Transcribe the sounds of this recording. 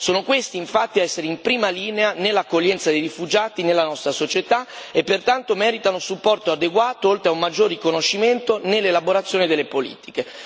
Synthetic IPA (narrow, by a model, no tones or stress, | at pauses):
soːnokwest̪iːɱfat̪ːiaɛsːeɾeimpɾiːmaliːneanelːakːoʎːɛnt̪sad̪ejɾifud͡ʒaːt̪inelːanɔst̪ɾasot͡ʃet̪aepːert̪ant̪omɛːɾit̪anosupːɔrt̪oad̪eɡwaːt̪oolt̪ɾeaumːad͡ʒːorːikonoʃːiment̪onelːelaboɾat̪sːjoːnid̪elːepolḭːt̪i̥ke